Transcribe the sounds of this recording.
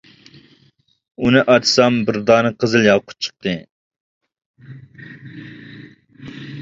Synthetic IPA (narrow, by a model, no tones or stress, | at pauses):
unɨʔɑd̪ʰsɑmbɨɾd̪ɑːnɨqʰəzɨlˠjɑlˠqʰʊ̥t̪̚t͡ʃʰə̥q̚t̪ɨ